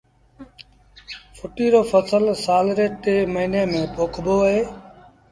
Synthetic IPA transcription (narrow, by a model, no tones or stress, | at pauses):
fʰʊʈiːɾoːfʰəsəlsaːlɾeːʈeːməɦiːneːmẽːpoːkʰboːɦeː